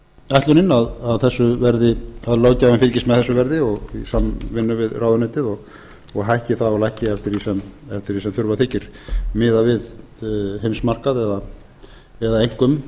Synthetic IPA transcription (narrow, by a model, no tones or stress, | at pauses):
ajht̪lʏnɪnaðaðθɛsːʏvɛɾðɪaðloːwcaːvɪnfɪɾcɪst̪mɛðθɛsːʏvɛɾðɪɔɣisamvɪnːʏvɪðraːwðʏnɛːt̪ɪðɔɣ | ɔɣɦajhcɪθaðɔlaɛjhcɪɛft̪ɪɾisɛmɛft̪ɪɾðisɛmθʏɾvatθʰɪːhcɪɾ̥mɪːðavɪð | hejmsmar̥kaðɛða | ɛðaejŋ̥kʏm